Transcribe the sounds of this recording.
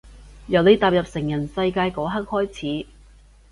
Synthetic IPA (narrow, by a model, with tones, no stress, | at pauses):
jɐ˨wne˨˥jt̪aː˨p̚jɐ˨p̚sɪ˨˩ŋjɐ˨˩nsɐ˧jkaː˧jkɔː˨˥ɦɐ˥k̚hɔː˥jt͡sʰiː˨˥